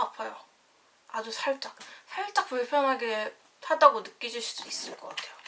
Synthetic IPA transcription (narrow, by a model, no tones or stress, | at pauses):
apʰajo | ad͡ʑusʰaɭt͡ɕ͈ak̚sʰaɭɭt͡ɕ͈ak̚puɭpʰjʌnɦaɡe | hadaɡonɯk͈id͡ʑuɭɕ͈i̥d̥ois͈ɯɭk͈ʌk͈atʰe̞jo